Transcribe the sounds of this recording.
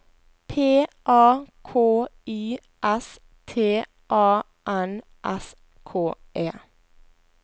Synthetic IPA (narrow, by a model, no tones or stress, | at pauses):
pʰeːʔɑːkʰoːiː | ʔɛs | t̪ʰeː | ʔɑː | ʔæn | ʔɛ̰s | kʰoːʔeː